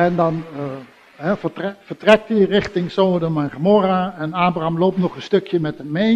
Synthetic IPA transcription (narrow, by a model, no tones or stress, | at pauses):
ɛndɑn | ɦɛvətrɛvəɹtrɛk̚tirɪχtɪŋsoːdəmɛnχəmɔraɛnaːbraɑmloːp̚tnɔχənstɵkjəmɛtɦəme